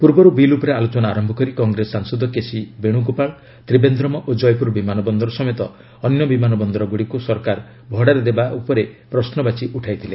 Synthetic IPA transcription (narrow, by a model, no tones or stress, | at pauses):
puɾbɔɾubilupɔɾealot͡ʃɔnaːɾɔmbʱɔkɔɾikɔŋɡɾesaŋsɔd̪ɔkesibeɽ̃uɡupaɭ | t̪ɾibend̪ɾɔmɔʔod͡ʒɔjpuɾbimanɔbɔnd̪ɔɾɔsɔmet̪ɔː | njɔbimanɔbɔnd̪ɔɾɔɡuɽikusɔɾkaɾ | bʱɔɽaɾed̪ebaʔupɔɾepɾɔsnɔbat͡ʃiʔuʈʰajt̪ʰile